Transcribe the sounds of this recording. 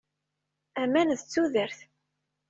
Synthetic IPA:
æmænðət͡sːuðəɾθ

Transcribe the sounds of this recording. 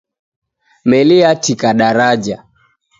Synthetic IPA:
mɛlɪatikaɗaɾad͡ʒa

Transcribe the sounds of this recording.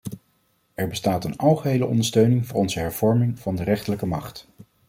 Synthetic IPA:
ɛɹbəstaːtənɑlˠχəɦejləʔɔ̰ndəɹstøɥnɪŋvʊːɹɔnzəɦɛɹv̥ɔɹmɪŋvɑndərɛχtələkəmɑχt

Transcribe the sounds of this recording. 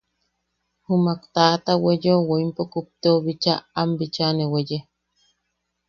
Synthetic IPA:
humakt̪aːt̪awejowoimpokup̚t̪eoβit͡ʃaambit͡ʃaneweje

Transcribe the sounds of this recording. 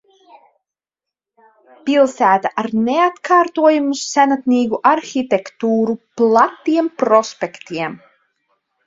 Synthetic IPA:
pilˠsæːt̪aʔaɾneat̪kʰaːɾt̪uɔjumusænat̪niːɡuʔaɾxit̪ekt̪uːɾuplˠat̪ːiɛmpɾɔspʲekt̪iɛm

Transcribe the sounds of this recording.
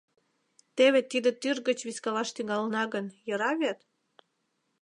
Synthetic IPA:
t̪eβet̪id̪ĕt̪yrɣət͡ɕβiskɑlɑʃt̪yŋɑlənɑɣənjɤɾɑβʲɑt̪

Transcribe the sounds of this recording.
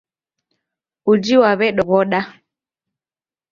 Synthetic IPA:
ud͡ʒiwaβɛɗɔɣɔɗa

